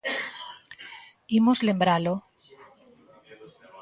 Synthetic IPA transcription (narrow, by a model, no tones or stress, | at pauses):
imozlembɾalo